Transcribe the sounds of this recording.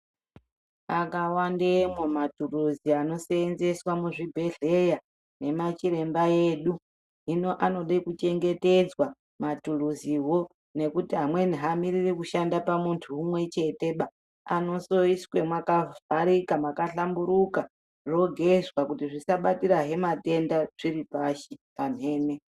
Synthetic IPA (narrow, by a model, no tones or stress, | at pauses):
akawandemomaturuziano̞seenze̞swamuʐibʱe̞ɮeja | ne̞mat͡ʃiɾe̞mbaeːɗu | ɦino̞ʔano̞ɗekut͡ʃe̞ŋɡe̞te̞d͡zwa | maturuziwo̞ | ne̞kutiɦamwe̞niɦamiɾirikuʃandapamuntʰuːmwe̞t͡ʃe̞te̞ɓa | ano̞so̞iswe̞mwakav̥ʱaɾikamakaɬambuɾuka | ʐo̞ɡʱe̞zwakutiʐisaɓatiɾaɦe̞mate̞ndaʐ̥iɾipaʃipan̤e̞ːne̞